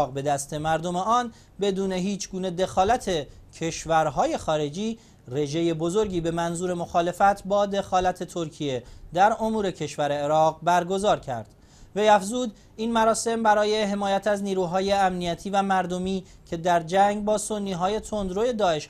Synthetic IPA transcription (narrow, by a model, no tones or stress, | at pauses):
ʁbe̞d̪æst̪ʰe̞mæɾd̪o̞me̞ɒːn | be̞d̪uːne̞ɦiːt͡ʃʰɡuːne̞d̪e̞xɒːlæt̪ʰe̞cʰe̞ʃvæɾɦɒːje̞xɒːɾe̞d͡ʒiː | re̞ʒe̞je̞bo̞zo̞ɾɟiːbe̞mænzuːɾe̞mo̞xɒːle̞fæt̪ʰbɒːd̪e̞xɒːlæt̪ʰe̞t̪ʰo̞ɾcʰije̞d̪æɾo̞muːɾe̞cʰe̞ʃvæɾe̞ːɾɒːʁbæɾɡo̞zɒːɾcʰæ̰ɾd̪̥ | ve̞jæfzuːd̪ | iːnmæɾɒːse̞mbæɾɒːje̞ɦe̞mɒːjæt̪ʰæzniːɾuːɦɒːje̞æmnijæt̪ʰiːvæmæɾd̪o̞miː | cʰe̞d̪æɾd͡ʒæŋɡbɒːso̞nːiːɦɒːje̞t̪ʰo̞nd̪ɾoje̞d̪ɒːe̞ʃ